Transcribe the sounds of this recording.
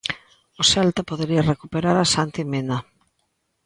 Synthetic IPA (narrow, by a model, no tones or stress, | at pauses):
osɛlt̪apoðeɾiɐrekupeɾaɾasant̪imena